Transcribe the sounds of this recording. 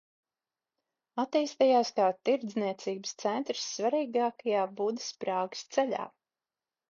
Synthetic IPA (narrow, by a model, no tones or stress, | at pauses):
at̪iːst̪ajaːskaːt̪iɾd̪zniɛt̪siːbəst̪sɛnt̪ɾsːvaɾiːɡaːkajaːbud̪ɨspɾaːɡə̥st̪sɛlʲa̰ː